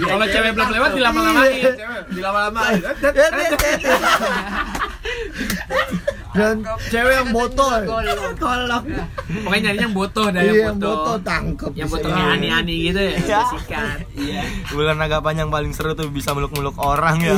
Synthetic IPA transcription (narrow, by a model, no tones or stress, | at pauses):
alat͡ʃeweblamlewat̪̚dilamalaaewdilamalamaat̪ | dant͡ʃewejaŋbot̪ɔlt̪olɔkpakaɲanijaŋbot̪ɔhdajaŋbot̪ɔt̪aŋkəp̚jabot̪ɔɲaanianiɡit̪ujsikat̪ijaularnaɡaʔpaɲaŋpalɪŋsəɾət̪ubisaməlʊk̚mulʊkoɾaŋja